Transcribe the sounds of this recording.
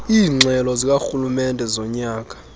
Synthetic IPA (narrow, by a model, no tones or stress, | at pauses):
iːŋ͡ǁʱɛlɔzik̬ʼaxulumɛndʱɛzɔɲaːk̬ʼḁ